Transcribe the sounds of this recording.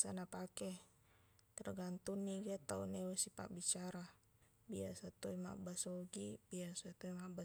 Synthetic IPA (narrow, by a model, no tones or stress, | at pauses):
sanapakɛ | t̪ɛrɡant̪unːiɡat̪aunewasipa̰ʔbit͡ʃaɾa | biasat̪oima̰ʔbasoɡib̥iasat̪oimaba